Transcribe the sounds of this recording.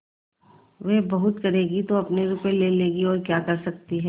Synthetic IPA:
ʋebɐɦʊt̪kɐɾeːɡit̪oɐpneɾupeleleːɡiɔːɾkjaːkɐɾsɐk̚t̪iɦɛː

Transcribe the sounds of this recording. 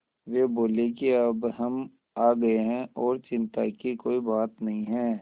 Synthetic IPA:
ʋeːboːlekiɐbɦɐm | aːɡɐeɦɛ̃ɔːɾt͡ʃɪ̃nt̪a̰kikoːibaːt̪nɐɦĩɦɛ̃ː

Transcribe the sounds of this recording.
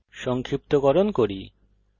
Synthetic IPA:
ʃɔŋkʰɾip̚t̪oɡɔɾonkoɾi

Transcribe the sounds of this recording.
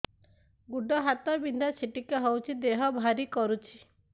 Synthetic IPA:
ɡuɖɔɦat̪ɔbind̪ʱat͡ʃʰiʈikeɦɔwt͡ʃʰid̪eɦɔbʱaɾikɔɾut͡ʃʰi̥

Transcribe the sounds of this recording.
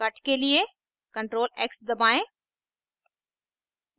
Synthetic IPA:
ɐʈʰkelie | kɐ̃ɳʈɾoːleːksd̪ɐbaːẽ

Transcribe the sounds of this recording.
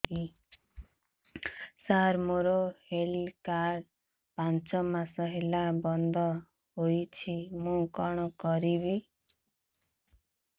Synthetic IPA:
i | saɾmoɾohelkaɾ | pant͡ʃɔmasɔɦelabɔnd̪ʱɔ | ɦojt͡ʃʰimũkɔɽ̃ɔkɔɾibi

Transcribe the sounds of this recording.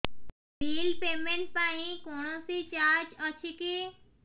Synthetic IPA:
biːlpeːmẽɳʈ̚paːɦĩkɔːnõsit͡ʃaːɾd͡ʒɔːt͡ʃʰiki

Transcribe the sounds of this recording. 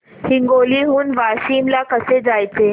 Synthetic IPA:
hiŋɡoliːɦuːnʋaːɕiːmlakəsed͡zajt͡se

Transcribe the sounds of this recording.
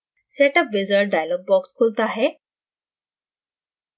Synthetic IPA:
sɛʈəpʋizəɾɖajlɔk̚bɔkskʰolt̪əaɦe

